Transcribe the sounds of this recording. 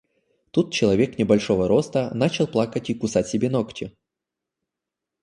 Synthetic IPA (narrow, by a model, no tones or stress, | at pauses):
t̪ut̪̚t͡ɕɪlˠɐvʲe̞knʲɪbɐlʲʂovəɾo̞st̪ənat͡ɕɪlˠplˠakətʲikʊsatʲsʲɪbʲenoktʲɪ